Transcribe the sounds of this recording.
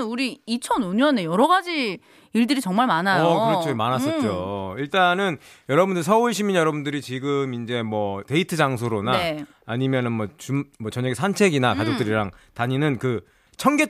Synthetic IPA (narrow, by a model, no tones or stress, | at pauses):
nuɾiːt͡ɕʰʌnoɲʌne̞jʌɾʌɡad͡ʑi | iɭdɯɾit͡ɕʌŋmaɭmanajkoɯɾʌt͡ɕʰomanas͈ʌt͡ɕ͈oiɭt͈anɯn | jʌɾʌbundɯɭsʰʌuɭɕʰiminjʌɾʌbundɯɾit͡ɕiɡɯmind͡ʑe̞mwʌte̞itʰɯd͡ʑaŋs̬ʰoɾonaeː | ɲimjʌnɯnmwʌt͡ɕumwʌt͡ɕʌɲʌɡesʰant͡ɕʰe̞ɡinakad͡ʑok̚t͈ɯɾiɾaŋtaɲinɯnkɯ | t͡ɕʰʌŋɡe